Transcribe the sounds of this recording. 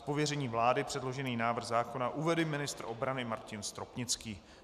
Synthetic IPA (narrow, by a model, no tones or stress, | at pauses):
povjɛrɛɲiːvlaːdɪpr̝̥ɛdlo̞ʒɛniːnaːvr̩ɣzaːko̞naʔuvɛdɪmɪnɪst̪rʔo̞bɾanɪmaɾcɪnst̪ɾo̞pɲɪt͡skiː